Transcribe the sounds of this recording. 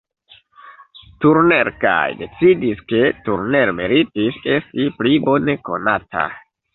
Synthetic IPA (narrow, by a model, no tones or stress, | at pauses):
tuɾneɾka̰jde̞t͡sidiske̞tuɾne̞ɾmeɾitise̞stiplibo̞ne̞ko̞natʰa̰